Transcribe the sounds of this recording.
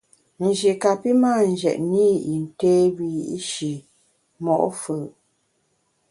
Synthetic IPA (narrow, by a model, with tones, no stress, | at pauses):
n̩˨d͡ʒi˨ka˨pi˦maː˦˨n̩˨d͡ʒɛ̰˨ʔni˦i˨n̩˨teː˦bi˨ji˨ʔi˦ʃi˨ | mɔ˨ʔfə˨